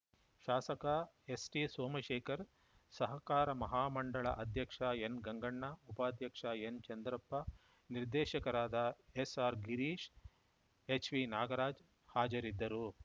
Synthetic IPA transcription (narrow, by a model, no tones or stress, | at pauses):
ʃaːsɐkɐ | esʈisoːmɐʃɛːkɐɾ | sɐɦɐkaːɾɐmɐɦaːmɐɳɖɐɭɐ̰ʔɐd̪ʱjɐkʂɐenɡɐŋɡɐɳːɐupaːd̪ʱjɐkʂɐent͡ʃɐnd̪ɾɐpːɐ | niɾd̪ɛːʃɐkɐɾaːd̪ɐesaːɾɡiɾiːʃ | et͡ʃʋinaːɡɐɾaːd͡ʒ | haːd͡ʒɐɾid̪ːɐɾu